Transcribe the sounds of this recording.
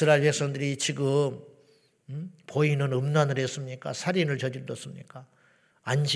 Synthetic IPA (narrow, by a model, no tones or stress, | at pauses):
ɯɾaɭpe̞k̚s͈ʌŋdɯɾit͡ɕiɡɯm | poinɯnɯmnanɯɾes͈ɯmɲik͈a̰sʰaɾinɯɭt͡ɕʌd͡ʑiɾdʌs͈ɯmɲḭk͈a | anɕ